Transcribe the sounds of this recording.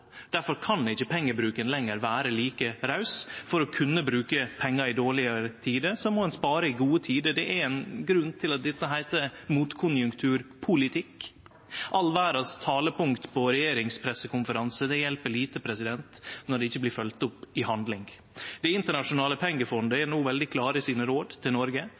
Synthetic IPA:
d̪̥æɾfɔɾkʰɑnd̪ɪçːəpʰɛŋːəbɾʉːkənlɛŋːəɾʋæːɾəliːkəɾɑʉsfɔɾɔkʰʉnːəbɾʉːkəpʰɛŋːɑɪd̪oːɭɪəɾət̪ʰiːd̪əsɔmːɔɛnspɑːɾəɪɡuːət̪ʰiːd̪əd̪ɛʔæɾɛnɡɾʉnːt̪ʰɪlɑt̪̚d̪ɛt̪ːəɦæɪt̪əmuːt̪kʰʊnjʉŋkt̪ʰʉːɾpʰʊlɪt̪ʰɪk | ʔɑlʋæːɾɑst̪ʰɑːləpʊŋkt̪pʰɔɾɛjeːɾɪŋspʰɾɛsːəkʰʊnfəɾɑnsəd̪ɛjɛlpəɭiːt̪əpʰɾɛsɪd̪ɛnt̪nɔɖɛɪçːəblɪːɾfœlt̪ʊpːɪhɑnd̪lɪŋ | d̪ɛɪnt̪əɳɑʂʊnɑːləpʰɛŋːəfɔnd̪əɛnuːʋɛld̪ɪkʰlɑːɾəsiːnəɾoːd̪t̪ʰɪlnɔɾɡə

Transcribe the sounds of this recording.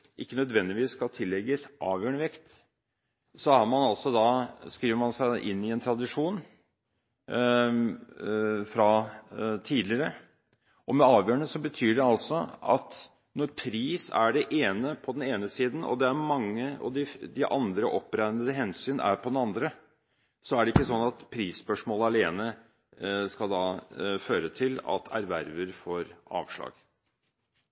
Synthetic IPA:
ʔɪkːənœd̪ʋɛnd̪ɪʋiːsːkɑlt̪ʰɪlːɛɡəsʔɑːʋjøːɳəʋɛkt̪ | sɔɑɾmɑnɑlsɔd̪ɑskɾiːʋəɾmɑnsæɪʔɪ̰nːɪɛnt̪ʰɾɑd̪ɪʂuːn | fɾɑ | t̪ʰiːd̪lɪɾə | ʔɔmɛɑːʋjøːɳəsɔbət̪ʰyːɖɛɑlsɔɑ̰t̪ | nɔɾpʰɾiːsæ̰ɖɛʔeːnəpʰɔd̪ɛneːnəsiːd̪n̩ɔ̰d̪ɛæɾmɑŋːəɑ̰d̪ɪd̪ɪʔɑnd̪ɾəʔɔpːɾæɪnəd̪əɦɛnsyːnæ̰ɾpʰɔd̪ɛnɑnd̪ɾə | sɔæɖɛɪkːəsɔnːɑt̪pʰɾiːsːpœʂmoːləɑleːnə | skɑld̪ɑːføːɾət̪ʰɪlɑ̰t̪ʰæɾʋæɾʋəɾfoːɾɑ̰ːʋʂɭɑ̰ːɡ̥

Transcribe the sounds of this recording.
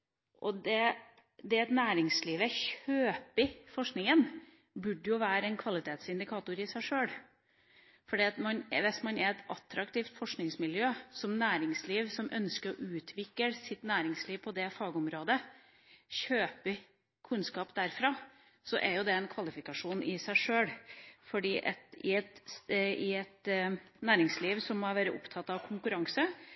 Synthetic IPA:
ʔɔd̪ɛ | d̪ɛɛt̪næːɾɪŋsliːʋɛçøːpɪfɔʂknɪŋən | bʉɖːəjʊʋæːɾəɛnkʰʋɑlɪt̪ʰeːt̪sɪnd̪ɪkʰɑːt̪ʊɾɪsæɪʂøːɽ | fɔɖiːɑt̪mɑnʋɛsmɑnɛɾɛt̪ɑt̪ːɾɑkt̪ʰiːft̪fɔʂknɪŋsmɪljøːsɔmnæːɾɪŋsliːʋsɔmʔœ̰nskəɾɔʔʉːt̪ʰʋɪkːəɾsɪt̪næːɾɪŋsliːʋpʰɔd̪ɛfɑːɡəʊmɾoːd̪ə | ɕøːpə | kʰʉnskɑːpd̪æɾfɾɑː | sɔ̰ʔɛɾjʊd̪ɛɛnkʰʋɑlɪfɪkɑʂuːnɪsæɪʂøːɽfɔɖiːʔɛ̰t̪ɪɛt̪ɪɛt̪næːɾɪŋsliːʋsɔmːɑʋæːɾəʔʊ̰pt̪ʰɑt̪ːɑʋkʰʊŋkʉɾɑŋsə

